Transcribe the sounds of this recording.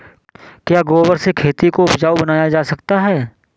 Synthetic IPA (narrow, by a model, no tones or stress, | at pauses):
kjaːɡoːʋəɾsekʰeːt̪ikoʊbd͡ʒaːubɐnaːjad͡ʒaːsɐkt̪aɦɛː